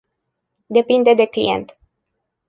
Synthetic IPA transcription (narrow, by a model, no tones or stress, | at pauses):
d̪e̞pind̪e̞d̪e̞klḭje̞̰nt̪